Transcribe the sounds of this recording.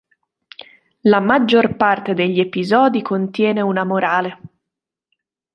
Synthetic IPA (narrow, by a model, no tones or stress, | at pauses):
lamad͡ʒːorpart̪ed̪eʎːiepizɔːd̪ikʰont̪jɛːneunamoɾaːle